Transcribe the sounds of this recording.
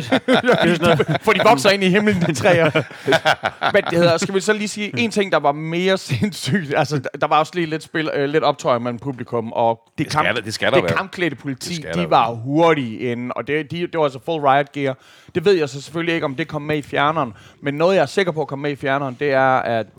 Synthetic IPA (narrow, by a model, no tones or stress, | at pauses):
fɒd̥iʋɒ̽ɡ̥sɐe̝niɦemlən̩et͡sʰʁɛ̰ː | men̥e̝he̝ðˠɐsɡ̥æʋisɒliːsiːʔe̝nt͡sʰe̝ŋ̰d̥ɑ̈ʋɑ̈me̝ːɐsensy̰ːd̥ælsəd̥ɑ̈ʋɑ̈ɒslḭːle̝d̥sb̥elle̝d̥ɾɒ̽b̥̚t͡sʰɒɪmel̰m̩pʰub̥likʰɔ̽m̰ʔɒ̽d̥ekʰɑd̥esɡædekɑ̈mkʰled̥əpʰo̝lit͡sʰḭ̥ːiʋɑ̈ɦoɐɾiʔen̩ɒ̽d̥e̝d̥id̥e̝ʋɑælsəfolʁɑ̈ɪd̥̚ɡ̥iɐ | d̥e̝ʋe̝ð̞̰ˠjaɪsɒ̽se̥føllie̝ɡ̥əɒ̽md̥e̝kʰɒ̽m̰ːeifjæɐnɐːnmenːɔ̽ːð̞̩ˠjɑ̈æɐse̝ɡ̥ɐpʰɒ̽ɐkʰɒ̽mːmeifjæɐnɐːnd̥e̝æɐæd̥